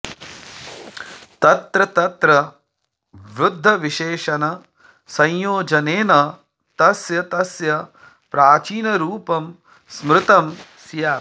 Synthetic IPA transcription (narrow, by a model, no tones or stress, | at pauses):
t̪ɐt̪ɾɐt̪ɐt̪ɾɐ | ʋɾud̪ʱːɐʋiʃeːʃɐnɐ | sɐ̃jjoːd͡ʒɐneːnɐ | t̪ɐsjɐt̪ɐsjɐ | pɾaːt͡ʃiːnɐɾuːpɐm | smɾɪt̪ɐmsjaː